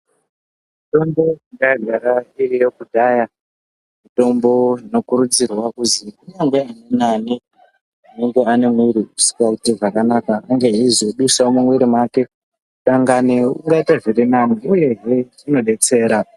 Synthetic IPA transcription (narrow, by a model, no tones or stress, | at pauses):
ito̞ndo̞iŋɡaaɡʱaɾairijo̞kudʱaja | mito̞mbo̞ino̞kuɾud͡zirwakuzikuɲaŋɡe̞anenani | uneŋɡeane̞mwiɾiusi̥kakutiʐakanakaaŋɡeizoɗusamuŋwiɾimwake̞ | uɗaŋɡaneṵŋɡaitaʐiɾinaniuje̞ɦe | ino̞ɗe̞t͡se̞ːɾa